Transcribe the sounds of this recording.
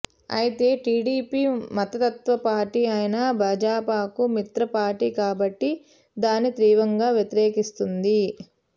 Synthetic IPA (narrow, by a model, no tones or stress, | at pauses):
ɐ̰jit̪e̞ːʈiːɖiːpiːmɐt̪ɐt̪ɐt̪ʋɐpaːɾʈiajɐnɐbʱɐːd͡ʒaːpaːkumit̪ɾɐpaːʈiːkaːbɐʈːi | d̪aːnːit̪ɾiːʋɐŋɡaːʋjɐt̪iɾɛːkist̪und̪i